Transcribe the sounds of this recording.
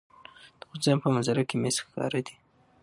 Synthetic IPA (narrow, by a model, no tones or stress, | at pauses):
d̪̥əxʊzampəmazaɾakemesxkɑ̰ɾad̪i̥